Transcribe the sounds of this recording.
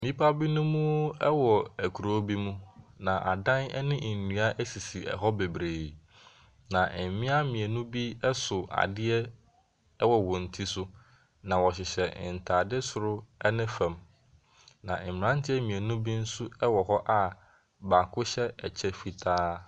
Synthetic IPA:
mĩ˦pʰa˦bi˦nũ˦mũ˦ɛ˦wɔ˨æ˨kʰu˨ɾo˦bi˦mũ˦nã˨ʔa̰˨dã˦nɛ̰˦nɪ̃˦˨nũ˨a˦ʔæ˦si˨si˨ɛ̰˨ɦɔ˦be˨bɾeː˨ | nã˨ʔm̩˨mɪ̃˦a˦mĩ˨e˨nũ˦bi˦ɛ˦sʊ˨a̰˨dɪ˦ɛ˦ | ɛ˦wɔ˨wʊ̃˨n̩˨tʰi˦sʊ˦ | nã˨wɔ˨ɕɪ˨ɕɛ˨n̩˨tʰaː˨dɪ˦sʊ˨ɾʊ˦ɛ˦nɪ̃˦fã˨m | nã̰˨m̩˨mɪ˨ɾã˦ntʰɪ˦ɛ˦mĩ˨e˨nũ˦bi˦n̩˦sʊ˦ɛ˦wɔ˨ɦɔ˦ʔa˦ | ba˨kʰʊ˦ɕɛ˦ɛ˨t͡ɕʰɛ˦fi˨tʰaː˦

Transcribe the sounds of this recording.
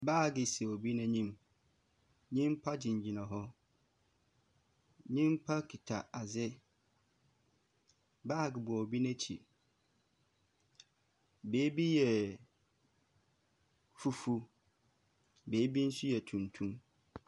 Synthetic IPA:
baː˦˨ɡɪ˨so˨bi˦nã˦ɲĩ˦m | ɲĩ˦m˦pʰa˦d͡ʑĩ˨ɲ˨d͡ʑi˨nã˨ɦɔ˦ | ɲĩ˦m˦pʰa˦kʰi˨tʰa˨a˨zɪ˦ | baː˦˨ɡɪ˨bʊ˨ɔ˨o˨bi˦nɛ̃˦t͡ɕʰḭ˨ | beː˨˦bi˦jɛ˨ | fu˦fu˦ | beː˨˦bi˦n̩˦su˦jɛ˨tʰũ˨ntʰũ˦m

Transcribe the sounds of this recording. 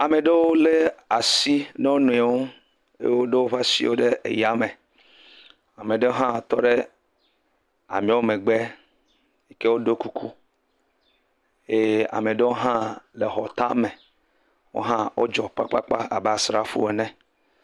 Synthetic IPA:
a˨mẽ˨ɖe˦wo˦le˦a˨si˦ne˦wo˦nũ˨e˨wo˦ | ḛ˦wo˦ɖe˦wo˦ɸa˦sḭ˦wo˦ɖe˦ʔḛ˨ja˦mẽ˨ | a˨mẽ˨ɖe˦o˦ɦã˦˨t̪ɔ˦ɖe˦ | a̰˨mĩ˦wo˦mẽ˨ɡ͡be˦ | i˦ke˦wo˦ɖo˦ku˦kʰu˦ | je˦a̰˨me˨ɖe˦wo˦ɦã˦le˨ɦɔ˨t̪a˦me˨ | wo̰˦ɦã˦wʔo̰˦d͡ʒɔ˨k͡pa̰˦k͡pa˦k͡pa˦a˨be˨a˨sɾa˦fṵ˦we˨nɛ̃˦

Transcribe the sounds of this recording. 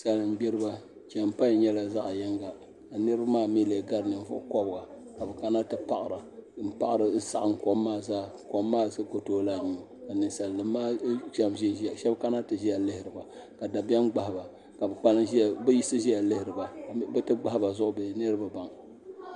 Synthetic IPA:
sa˨lɨ˨m̩˦ɡ͡bɛ˦ɾɨ˦ba˦ | t͡ʃɛ˨m˦pa˦ɲ˨ɲɛ˦la˨za˦ʔjɛ˦ŋɡa˨ | ka˨nɨ˦ɾɨ˦ba˦maː˦˨me˦le˨ɡa˦ɾnɨ˨ɱ˨vʊ̰˦ʔʊ˦kɔ˦bɡa˨ | ka˨bɛ˨ka˦na˦tɨ˨pa˨ʔɪ˨ɾa˨m̩˦pa˦ʔɨ˨ɾɨ˨˦sa˨ʔɨ˨ŋ̩˨ko˦mːaː˦˨zaː˦ko˨˦mːaː˦˨zɨ˦ko˨toː˦laː˦˨nu˨ka˨nɨ˨nsa˨lːɨ˦mːaː˦ʃa˦mʒi˦˨ʃɛ˦bka˦na˦tɨ˨ʒi˦ja˨lɪ˦hɪ˨ɾɨ˨ba˨ | ka˨da˨bɛ˦mɡ͡ba˨hba˨ | ka˨bɛ˨k͡pa˦nɨ˦˨bɛ˦ji˦sɨ˦ʒi˦ja˨lɪ˦hɪ˨ɾɨ˨ba˨˦bɛ˦tɨ˦ɡ͡ba˦hba˨zʊ˦ʔʊ˨be˦nɨ˦ɾɨ˦ba˨ba˨ŋ

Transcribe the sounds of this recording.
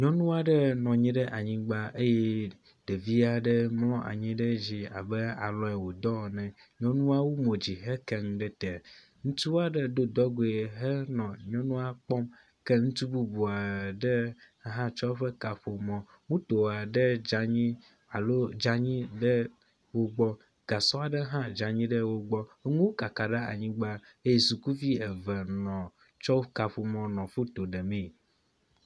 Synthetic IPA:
ɲɔ̃˦nũ˦a˦ɖɛ˦nɔ̃˨ɲĩ˦ɖɛ˦ʔa˨ɲĩ˦ɡ͡ba˦ʔe˦je˦ | ɖ̥e˨vi˦a˦ɖe˦mlɔ̃˦ʔa̰˨ɲĩ˦ɖe˦d͡ʑi˨a̰˨be˦a̰˨lɔ˨˦ɛ˨wo˨d̪ɔ˦˨nɛ̃˨ | ɲɔ̃˦nũ˦a˦wo˦mõ˨d͡ʑi˨ɦɛ˦kɛ˨ŋ˨˦ɖɛ˦t̪ɛ˨ | ŋũ˦t̪u˦a˦ɖe˦d̪o˦d̪ɔ˦ɡo˨e˨ɦɛ˦nɔ̃˨ɲɔ̃˦nũ˦a˦k͡pɔ˦m | kɛ˦ŋũ˦t̪u˦bu˦bu˨a˨ɖe˦ | ɦã˦t͡ʃɔ˦ɸɛ˦ka˨ɸo˨mɔ̃˨ | ŋũ˦t̪o˨wa˨ɖə˦d͡ʒa˨ɲĩ˦ | a˨lo˦d͡ʒa˦ɲĩ˦ɖə˦ | wo˦ɡ͡bɔ˦ | ɡ̥a˨sɔ˦a˨ɖə˦ɦã˦d͡ʒa˨ɲĩ˦ɖə˦wo˦ɡ͡bɔ˦e˦ŋũ˦wo˦ka˨ka˨ɖe˦a̰˨ɲĩ˦ɡ͡ba˦ | e˦je˨su˨ku˦vi˦ɛ˨vɛ˨nɔ̃˨ | t͡ʃɔ˦ka˨ɸo˨mɔ̃˨nɔ̃˨fo˦t̪o˨ɖɛ˨mẽ˦˨

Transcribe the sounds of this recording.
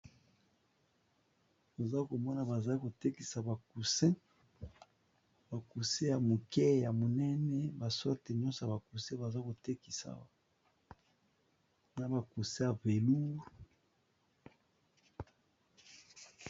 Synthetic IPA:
o˨za˦ko˨mɔ˦na˨ba˨za˦ko˨te˦ki˨sa˨ba˨ku˨sɛ̃˦ | ba˨ku˨se˦ja˨mo˨kɛ˦ja˨mo˨nɛ˦nɛ˦ba˨sɔ˦ʁte˨ɲɔ˦nso˨ja˨ba˨ku˨sɛ̃˦ba˨za˦ko˨te˦ki˨sa̰˨ | na˨ba˨ku˨sɛ˦ja˨ve˨lu˦

